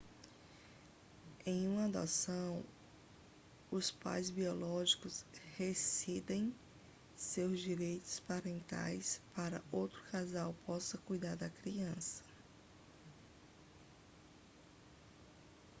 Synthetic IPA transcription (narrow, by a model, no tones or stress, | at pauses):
ẽj̃ũmɐd̪osɐ̃w̃ | ʊspa̰jzbiɔlɔʒikʊshesid̪ẽj̃ | sewzd͡ʒiɾejt̪ʊ̥spaɾẽnt̪a̰jspaɾɐowt̪ɾʊ̥kazawpʰɔsɐkujd̪aɾd̪ɐkɾiɐ̃sɐ̥